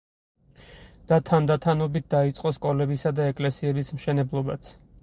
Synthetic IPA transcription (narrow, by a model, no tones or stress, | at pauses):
d̪̥at̪ʰand̪at̪ʰanɔbit̪̚d̪̥ait̪sʼqʼɔskʼɔlɛbisad̪aɛkʼlɛsiɛbismʃɛnɛblˠɔbat̪sʰ